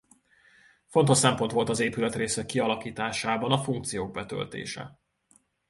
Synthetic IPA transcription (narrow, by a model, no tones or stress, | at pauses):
fo̞nt̪o̞ʃsɛmpo̞nt̪ʋo̞lt̪ɒzeːpylɛt̪reːsɛkːiɒlɒkiːt̪aːʃaːbɒnɒfuŋk̚t̪sijoːɡ̚bɛt̪ø̰lt̪ḛːʃɛ̰